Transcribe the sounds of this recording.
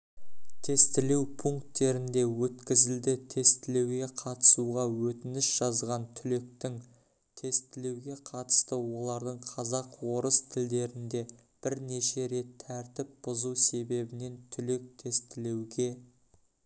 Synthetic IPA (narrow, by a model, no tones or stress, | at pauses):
t̪ʰe̞st̪ɪlewpʰuŋkt̪ːe̞ɾɪnd̪e̞wɵt̪kʲɪzɪld̪ɪt̪ʰe̞st̪ɪle̞wɡʲe̞qʰɑt̪ə̥suʁɑwɵt̪ɪnɪsʒ̥ɑzʁɑnt̪ʰʏle̞k̚t̪ɪŋ | t̪ʰe̞st̪ɪle̞wɡʲe̞qʰɑt̪ə̥st̪əwo̞lˠɑɾd̪əɴqʰɑzɑqwo̞ɾəst̪ʰɪld̪e̞ɾɪnd̪e̞b̥ɪɾne̞ʃe̞ɾe̞t̪ʰːæɾt̪ɪp̚b̥ʊzuwse̞be̞bɪne̞nt̪ʰʏle̞k̚t̪ʰe̞st̪ɪle̞wɡʲe̞